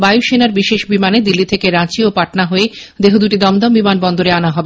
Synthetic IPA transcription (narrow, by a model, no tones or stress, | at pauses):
bajuʃenaɾbiʃeʃbimaned̪ilːit̪ʰekeɾãt͡ɕiopaʈnaɦoed̪eɦod̪uʈid̪ɔmd̪ɔmbimanbɔnd̪oɾeanaɦɔbe